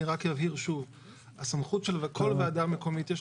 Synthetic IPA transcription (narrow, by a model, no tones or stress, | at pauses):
iʁakjavhiʁʃuv | asamχutʃelvekʰo̞lveadaʁme̞ko̞mit̪jeʃ